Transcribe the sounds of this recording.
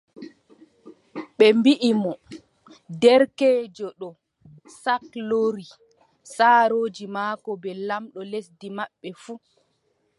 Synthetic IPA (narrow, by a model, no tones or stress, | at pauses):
ɓɛmbiʔimɔ | dɛɾkeːd͡ʒɔɗɔ | sakloɾi | saːɾoːd͡ʒimaːkɔbɛlamɗɔlesdimaɓːɛfu